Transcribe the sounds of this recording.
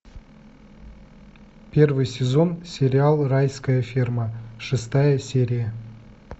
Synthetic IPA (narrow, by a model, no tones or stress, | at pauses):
pʲe̞rvɨjsʲezo̞nsʲe̞ɾʲialˠrajskəjəfʲirməʃɨst̪ɑjəsʲeɾʲijə